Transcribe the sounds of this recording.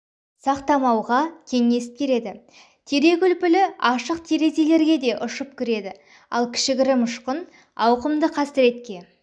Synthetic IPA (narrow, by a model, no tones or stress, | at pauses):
sɑqt̪ɑmɑwʁɑkʲʰe̞ŋːe̞sɪ̥p̚kʲʰe̞ɾe̞d̪ɪ | t̪ʰe̞ɾe̞kʲʏlpɪlɪɑʃəqt̪ʰeɾe̞ze̞le̞ɾɡʲe̞d̪e̞ʔʊʃəp̚kʲʰʏɾe̞d̪ɪ | ɑ̰lˠkʲʰɪ̥ʃɪɡʲɪɾɪmʊʃqən | ɑwqəmd̪əqʰɑsəɾe̞t̪̚kʲe̞